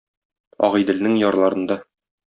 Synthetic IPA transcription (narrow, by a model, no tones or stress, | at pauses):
ɒ̰ʁɤ̆jd̪ɘ̆lnɘŋjɒɾlˠɑɾɤ̆nd̪ɑ